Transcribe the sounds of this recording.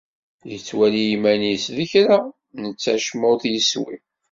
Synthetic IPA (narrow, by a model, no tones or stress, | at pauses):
jət͡sːwælijimænisðəçɾa | nət͡sːæʃmʊθjəswḭ